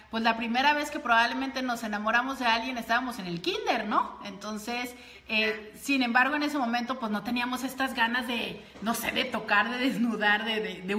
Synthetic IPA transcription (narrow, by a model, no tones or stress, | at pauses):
pwe̞zlapɾime̞ɾaβ̞e̞ske̞pɾo̞βaβle̞mẽnt̪e̞no̞se̞namo̞ɾamo̞zðe̞alɣje̞ne̞st̪aβamo̞se̞ne̞lkind̪e̞ɾno̞ent̪o̞nse̞s | eː | inẽ̞mbaɾɣ̞o̞e̞ne̞se̞mõ̞mẽnt̪o̞pwezno̞t̪e̞niamo̞se̞st̪azɣanazðe̞ | no̞se̞̰ðe̞t̪o̞kaɾðe̞ðeznuðaɾðeðeðe